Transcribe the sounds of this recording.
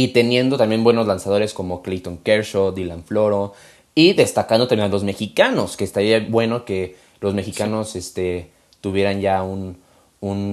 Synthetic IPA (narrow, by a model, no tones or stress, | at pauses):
it̪e̞nje̞nd̪o̞t̪ambje̞nbwe̞no̞zlansað̞o̞ɾe̞sko̞mo̞klit̪õŋkeɾʃod̪ilaɱflo̞ɾo | iðe̞st̪akand̪ot̪amjenalo̞zme̞xikano̞skeːst̪aɾiabwe̞no̞ke̞ | lo̞zme̞xikano̞se̞st̪e̞ | t̪uβje̞ɾanɟ͡ʝaun | un